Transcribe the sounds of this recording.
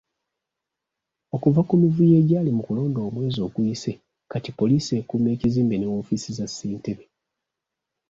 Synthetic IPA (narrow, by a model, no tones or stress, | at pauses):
o̞kuvakumivuje̞ːɟaːlimukulo̞ːndo̞ːmwe̞ːzo̞ːkuise | katipo̞liːsie̞ːkuːme̞ːciziːmbenewoːfisizasːiːnteβe